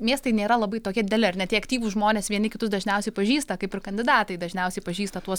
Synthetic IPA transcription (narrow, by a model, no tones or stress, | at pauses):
mʲiɛst̪ɐɪnʲeːɾɐlˠɐbɐɪtoːkʲɛd̪ʲɪd̪ʲɛlʲɪɐrnʲɛt̪ʲiːɐkt̪ʲiːʋuʒmoːnʲeːsʋʲiɛnʲɪkʲɪt̪ʊsd̪ɐʒʲnʲɛʊsʲɛɪpɐʒʲiːst̪ɐkɐɪpɪɾkɐnʲdʲɪd̪ɑːt̪ɐɪd̪ɐʒʲnʲɛʊsʲɛɪpɐʒʲiːst̪ɐt̪uɔs